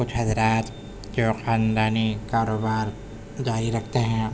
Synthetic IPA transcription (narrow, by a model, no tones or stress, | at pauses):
kʊt͡ʃʰɦɐzɾaːt̪ | d͡ʒoːxaːnd̪aːnikaːɾoːbaːɾ | d͡ʒaːɾiɾɐkʰt̪eɦɛ̃ː